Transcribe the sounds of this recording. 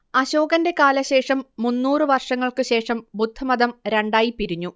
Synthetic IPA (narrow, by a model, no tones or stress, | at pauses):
ɐɕoːɡɐnde̞kaːlɐɕe̞ːʂɐmːunːuːrɨʋɐrʂɐŋːɐɭkɨɕe̞ːʂɐmbud̪ʱːɐmɐd̪ɐmɾe̞ɳɖaːjipiɾiɲːu